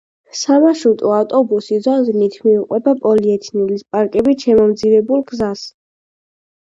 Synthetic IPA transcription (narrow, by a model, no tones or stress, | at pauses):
samaʃut̪ʼɔaft̪ʼɔbusizɔnzinit̪ʰmiuqʼwɛbapʼɔliɛt̪ʰinulispʼaɾkʼɛbiʃɛmɔmd̪zivɛbulˠɡzas